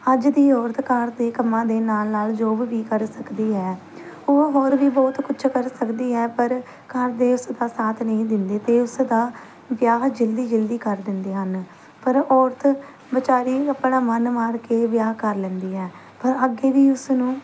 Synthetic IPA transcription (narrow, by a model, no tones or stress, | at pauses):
əd͡ʒd̪iːɔːɾt̪kaɾd̪eːkəmãːd̪eːnaːlnaːld͡ʒoːbʋiːkəɾsəkd̪iːɦɛː | oɦoːɾʋiːbɔːt̪kʊt͡ʃʰkəɾsəkd̪iːɦɛːpəɾ | kəɾd̪eːʊsd̪aːsaːt̪ʰnəĩːd̪ɪnd̪eːt̪eːʊsd̪aː | ʋjaːɦd͡ʒɪld̪iːd͡ʒɪld̪iːkəɾd̪ɪnd̪eːɦən | pəɾɔːɾt̪ | bət͡ʃaːɾiːəpɳaːmənmaːɾkeːʋjaːɦkəɾlɛ̃nd̪iːɦɛː | pəɾəɡeːʋiːʊsnũː